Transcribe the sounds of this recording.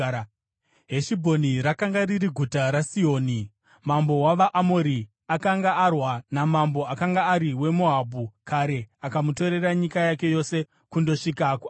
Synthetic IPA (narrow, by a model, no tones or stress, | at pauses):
ɦeʃibʱo̞niɾakaŋɡariɾiɡʱutaɾasio̞ːni | mambo̞waʋaʔamo̞ɾi | akaŋɡaːrwanamambo̞akaŋɡaːɾiwe̞moɦabʱukaɾe̞akamuto̞ɾe̞raɲikajake̞jo̞se̞ | kundo̞ʂikaku